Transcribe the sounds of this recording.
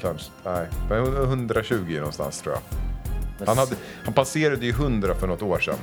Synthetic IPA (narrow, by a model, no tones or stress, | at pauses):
kanʂnɛɪmɛnhɵhɵnd̪ɾaɕʉ̟ːɡɪnɔnst̪a̰nst̪ʰɾuːja̰ | hanhad̪ːə | hanpʰaseːɾad̪əjɵɦɵnd̪ɾafœɳɔt̪ːoːʂɛ̰nː